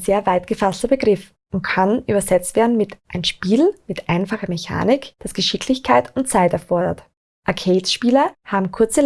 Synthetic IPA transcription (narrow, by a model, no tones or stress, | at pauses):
zeːɐvaɪtɡ̥əfastɐbəɡʁɪf | ʔʊnt̚kʰanʔyːbɐzɛt͡stv̥eːɐdn̩mɪtʔaɪnʃpiːlmɪtʔaɪnfaχɐmeça̰ːnɪkd̥asɡ̥əʃɪkʰlɪçkʰaɪtʊnt̚t͡saɪtɛɐfɔɐdɐ̰t | ʔaɐkʰeːtʃpiːlɐhaːbm̩kʰʊɐt͡sə